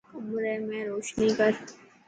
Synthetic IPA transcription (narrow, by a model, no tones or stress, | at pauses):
ʊmɾemẽɾoːʃnikəɾ